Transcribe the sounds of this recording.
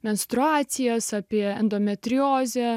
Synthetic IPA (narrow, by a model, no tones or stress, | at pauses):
mʲɛnst̪ɾʊaːt̪sʲɪjɛsɑːpʲiɛɛnd̪oːmʲɛt̪ʲɾʲɪjoːzʲɛ